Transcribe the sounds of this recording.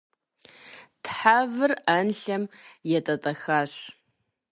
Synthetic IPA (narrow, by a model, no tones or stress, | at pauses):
tʰħavɨraːnɬɐmjɛtʼɐtʼɐxaːɕ